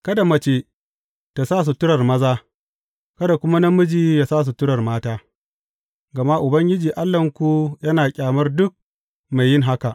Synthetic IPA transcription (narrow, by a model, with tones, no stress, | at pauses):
kɐ˦da˨mɐ˦t͡ʃeː˦ | ta˨saː˦˨s̬u˨tʊ˦ɽɐ˨rmɐ˦zaː˦ | kɐ˦da˨kʷʊ˦ma˦nɐ˦mːʊ˦d͡ʒiː˦jaː˨saː˦s̬u˨tʊ˦ɽɐ˨rmaː˦taː˦ | ɡɐ˨ma˦ʔʊ˨bɐ˦ŋɡʲɪ˦d͡ʒiː˨ʔa˦lːɐ˨ŋkʷu˨jɐ˦naː˨kʲʼaː˨mɐ˦rdʊ˦k̚ | ma˨jːɪ˦ŋɦa˦ka˨ʔ